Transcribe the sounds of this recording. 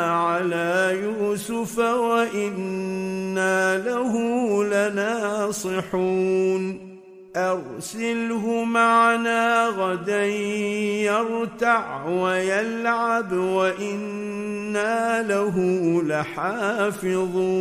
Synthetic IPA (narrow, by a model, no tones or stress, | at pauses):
ʕalaːjuːsʊfawaʔɪnː | aːlahʊlanɑːsˤɨħuːn | ʔɑɾsɪlɦʊmaʕnaːɣad̪anjɑɾˤt̪aʕwajalʕabwaʔɪnː | aːlaɦʊlaħaːfɪðˤuː